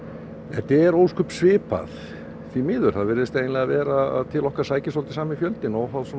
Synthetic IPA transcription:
ɛ̰t̪ɛɛɾowskʰʏpsvɪːpa̰θ | θvimɪːðʏɾ̥θaðvɛɾɪst̪eːjnlɛɣavɛːɾaa̰ðt̪ʰɪlɔhkaɾ̥saːjcɪsɔlt̪ɪ̥saːmɪfjœlt̪ɪnɔwθaðsɔ

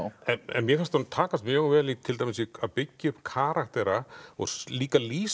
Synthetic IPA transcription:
ɛnɛ̰nmjɛθɛnst̪ɾt̪ʰaːkast̪mjœːɣʏvɛːlit̪ʰɪlt̪ajmɪsɪaðpɪcːkʰaːɾakt̪ɛɾaɔ̰ɣliːkaliːs

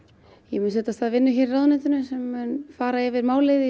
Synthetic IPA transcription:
jɛmʏnsɛːt̪ast̪aːðvɪnːʏçɛɾiraːðnɪnt̪ʏnʏsɛmːʏnfaːɾaɛvɪɾmaːwlɪðɪ

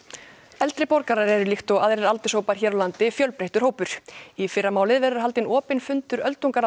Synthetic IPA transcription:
ɛlt̪ɾɪpɔɾkaɾaɾɛɾʏlixt̪ɔwaðɾɛɾalt̪ɪsoːwpaɾ̥çɛːɾawlant̪ɪfjœlpɾejht̪ʏɾ̥hoːwpʏɾ̥ifɪrːamaːwlɪðvɛɾʏɾ̥ɦalt̪ɪnɔːpɪnfʏnt̪ʏɾœlt̪uŋkaɾ

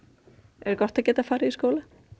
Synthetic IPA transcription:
ɛɾʏkɔht̪aðcɛːt̪afaːɾɪiskoːwla

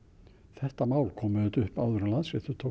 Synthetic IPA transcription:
θɛht̪amaːwlkʰɔːmʏt̪ʏhpawðʏɾʏlaðsvɛθʏ̥t̪ʰow

